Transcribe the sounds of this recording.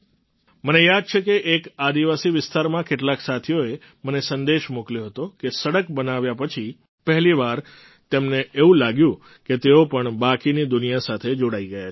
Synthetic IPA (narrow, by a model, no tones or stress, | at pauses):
mənejad̪̚t͡ʃʰekeʔekad̪iʋasiʋɪst̪aɾmãkeʈlaksat̪ʰijoe | mənesənd̪eʃmokljoɦət̪okesəɽəkbənaʋjapət͡ʃʰi | pəɦliʋaɾ | t̪emneeʋũlaɡjũ | ket̪eopəɳbakinid̪ʊnijasat̪ʰed͡ʒoɽaiɡəja